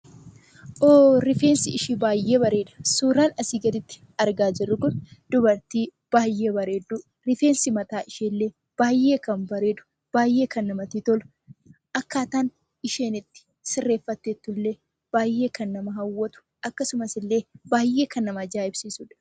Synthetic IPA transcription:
ʔoːɾɪfe̞ːnsɪɪʃiːbaːjːe̞ːbɐɾe̞ːd̪ɐ̥suːɾaːnɐsiːɡɐd̪ɪt̪ːɪ̥ | ɐɾɡaːd͡ʒɪrːʊkʊnd̪ʊbɐɾt̪iː | b̥aːjːe̞ːbɐɾe̞ːd̪ːuː | ɾɪfe̞ːnsɪmɐt̪aːʔɪʃeːlːeː | b̥aːjʔeːkɐmbɐɾe̞ːd̪ʊ̥ | b̥aːjːe̞ːkɐnːɐmɐt̪iːt̪ɔlʊ̥ | ʔɐkːaːt̪aːn | ɪʃe̞ːnɪt̪ːɪ̥ | sɪrːe̞ːfːɐt̪ːeːt̪ːʊlːe̞ː | b̥aːjːe̞ːkɐnːɐmɐɦɐwːɐt̪ʊ̥ʔɐkːɐsʊmɐsɪlːe̞ːbaːjːeːkɐnːɐmɐd͡ʒaːʔɪbsiːsuːᶑɐ̥

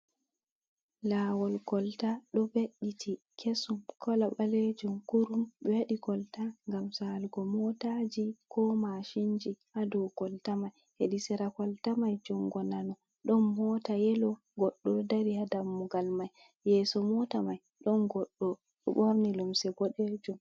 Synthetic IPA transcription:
lawɔlkɔltaɗɔbeɗːitʰi | kʰesumkʰɔlaɓaled͡ʒumkuɾumɗɔwaɗikɔltaŋɡamsalɡɔmɔtad͡ʒikʰɔmaʃiɲd͡ʒihadɔwɡɔltamaj | heɗisɛɾakɔltamajd͡ʒɔŋɡɔnanɔ | ɗɔnːɔtajɛlɔ | ɡɔɗːɔdaɾihadamːuɡalmaj | jɛːsɔmɔtamaj | ɗɔnɡɔɗːɔ | ɗɔ̰ɓɔɾnilumsɛɡɔɗed͡ʒum

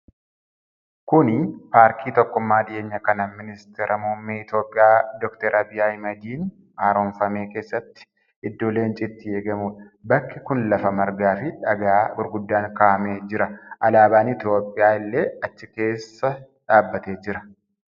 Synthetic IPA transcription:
kʊnɪpaːɾkʰiːt̪ɔkːʊmːaːdɪʔe̞ːɲːɐkɐnɐmɪnɪst̪eːɾʔɐmoːmːeːɪt̪jo̞ːpʼːɪjaːd̪ɔkt̪eːɾʔɐbɪjaːjmɐd͡ʒ̪iːn | aːɾoːnfɐme̞ːke̞ːsːɐt̪ːɪ̥ | ɪd̪ːoːle̞ːnt͡ʃʼɪt̪ːɪeːɡɐmuːᶑɐ | bɐkːɪkʊnlɐfɐmɐɾɡaːfɪᶑɐɡaːbʊɾɡʊd̪ːaːŋkaːʔɐmeːd͡ʒɪɾɐʔɐlaːbaːnɪt̪jo̞ːpʼːɪjaːɪlːe̞ːɐt͡ʃːɪke̞ːsːɐ | ᶑaːbːɐt̪eːd͡ʒɪɾɐ

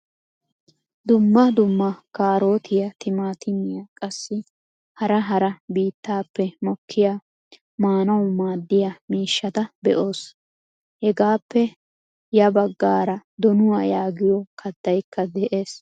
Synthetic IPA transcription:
d̪ʊmːɐd̪ʊmːɐkaːɾo̞ːt̪ʰɪjɐt̪ɪmaːt̪ɪmɪjakʼɐsːɪ | hɐɾɐɦɐɾɐbiːt̪ːaːpːɛmɔkʰːɪjaː | maːnɐwʊmaːd̪ːɪjɐmiːʃːɐt̪ɐbɛ̰ʔo̞ːs | hɛɡaːpːɛ | jɐbɐɡːaːɾɐd̪ɔnʊwaːjaːɡɪjɔkʰɐd̪ːɐjkʰːɐd̪ɛʔe̞ːs

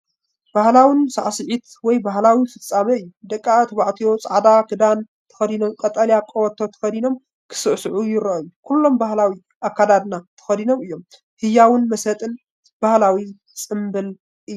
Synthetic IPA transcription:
b̥ahlawɨnsa̰ʕsɨʕit̪ | wɔjbaɦlawifɨt͡sʼːamɐɨjːud̪ɐkʼːat̪ʰɐβaʕt̪ʰijo̞t͡sʼaʕad̪akʰɨd̪an | t̪ʰɐ̥xɐd̪ino̞mkʼɐt̪ʼɐljakʼowɐt̪ʰːo̞t̪ʰɐ̥xɐd̪ino̞m | kʰɨ̥sɨʔsʕujɪɾɐʔjukʰulːo̞mbahlawi | ʔakʰːad̪ad̪nat̪ʰɐ̥xɐd̪ino̞mɨjːom | hɨjːawɨnmɐsɐt̪ʼɨn | b̥ahlawi | t͡sʼɨmbɨl | ʔɨjːu

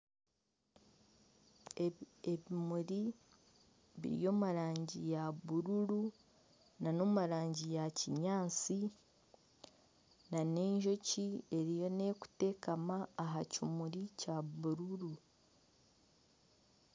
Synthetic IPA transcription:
eβimuɾi | βḭɾḭjo̞ːmuɾaːɲɟijaβuɾuɾu | nano̞muɾaːɲɟijaciɲaːt͡si | nane̞ːɲʒo̞cie̞ɾijo̞ne̞ku̥te̞ːkamaːɦacimuɾicaβuɾuɾu

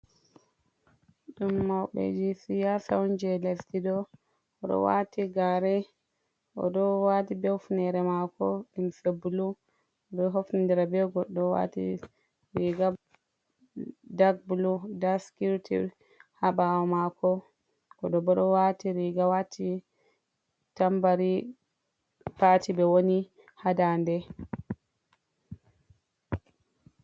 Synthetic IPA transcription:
ɗumːawɓɛ̰d͡ʒisijasawnd͡ʒɛlestidɔ | ɔɗɔ̰wa̰tiɡaɾɛ | ʔɔ̰dɔwatibɛfnɛɾɛmakɔɗimsebulu | ɔdɔɦofnindiɾabɛɡɔɗːɔwa̰tḭ | ɾiɡa | daɡ̚buludaskiɾtʰḭ | haɓawɔmakɔ | kɔɗɔbɔɗɔwatiɾiɡawatʰi | tambaɾi | patibɛwoni | hadandɛ

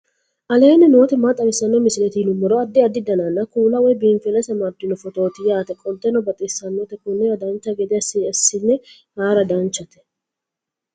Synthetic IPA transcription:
ʔɐleːnːɪno̞ːt̪ɛmaːt̪ʼɐmɪsːɐnːɔmɪsɪlɛt̪iːnʊmːɔɾɔɐd̪ːɪɐd̪ːɪd̪ɐnanːɐkuːlɐwɔjbiːnfɛlɐsɐmɐɾd̪ɪnɔfɔt̪o̞ːt̪ɪjaːt̪ɛkʼɔnt̪ːɛnɔbɐt̪ʼɪsːɐnːɔt̪ɛkʊnːɛɐd̪ɐnt͡ʃːɐɡɛd̪ɛɐsiɐsːɪnːɛ | haːɾɐd̪ɐnt͡ʃːɐt̪ɛ̥

